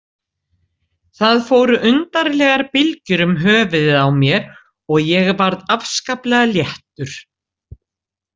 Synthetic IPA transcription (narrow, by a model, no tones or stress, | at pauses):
θaðfoːwɾʏʔʏnt̪aɾlɛːɣaɾpɪlcʏɾʏmɦœːvʏðɪðawmjɛɾ | ɔɣjɛɣvaɾðafskaplɛɣaljɛht̪ʏɾ̥